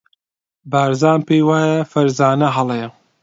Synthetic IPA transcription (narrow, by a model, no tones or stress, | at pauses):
baːɾzaːmpejwaːjɐfɐɾzaːnɐɦɐlˠeɐ